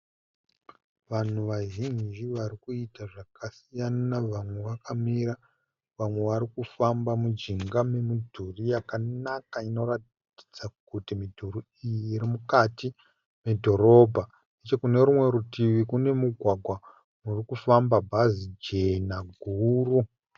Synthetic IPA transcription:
ʋan̤uʋaʒind͡ʒiʋaɾikuitaʐakasijanaʋamwe̞ʋakamiɾa | ʋamwe̞ʋaɾikufambamud͡ʒiŋɡame̞midʱurijakanakaino̞rat | ti̥d͡zakutimidʱuɾi | ijiːɾimukati | me̞dʱo̞ɾo̞bʱa | net͡ʃe̞kune̞ɾumwe̞ɾutiʋikune̞muɡʱwaɡʱwa | murikufambabʱazid͡ʒe̞naɡʱuːru

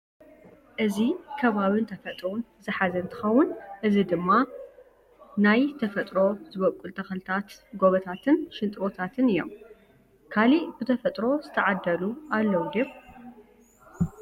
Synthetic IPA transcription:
ʔɨzikʰɐβaβɨnt̪ʰɐfɐt̪ʼn | zɨħazɐnt̪ʰɨ̥xɐwːʊnʔɨzid̪ɨmːa | najt̪ʰɐfɐt̪ʼɾo̞zɨβɐkʼːult̪ʰɐxɐlɨt̪ʰat̪ɡo̞βɐt̪ʰat̪ʰɨnʃɨnt̪ʼwot̪ʰat̪ʰɨnɨjo̞̰m | kʰalib̥ɨt̪ʰɐfɐt̪ʼɾo̞zɨt̪ʰɐʕad̪ːɐluʔalːɐwd̪eb

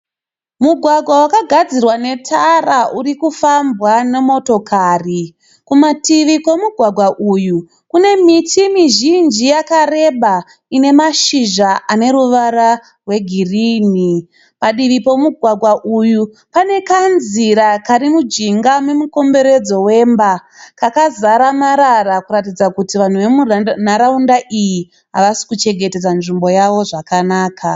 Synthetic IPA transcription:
muɡʱwaɡʱwawakaɡʱad͡zirwane̞tʰaraʔurikufambwane̞mo̞to̞kʰaːri | kumatiʋiko̞muɡʱwaɡʱwaʔuju | kune̞mitʰimiʒind͡ʒijakare̞ɓa | ine̞maʃiʒaʔane̞ɾuʋaɾa | rwe̞ɡʱiriːni | paɗiʋipo̞muɡʱwaɡʱwaʔuju | pane̞kanziɾakaɾimud͡ʒiŋɡamemuko̞mbe̞ɾe̞d͡zo̞we̞mbakakazaɾamaɾarakuɾatid͡zakutiʋan̤uʋe̞munaɾaundaʔiji | ɦa̰ʋasi̥kut͡ʃe̞ŋɡete̞d͡zanʐimbo̞jaʋo̞ʐakanaːkʰa

